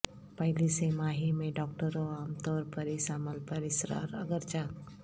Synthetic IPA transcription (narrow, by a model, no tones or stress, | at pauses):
pəɦɪlisemaːɦimẽɖɔːk̚ʈəɾoaːmt̪ɔːɾpɐɾisaːməlpəɾɪsɾa̰ːɾəɡəɾt͡ʃaː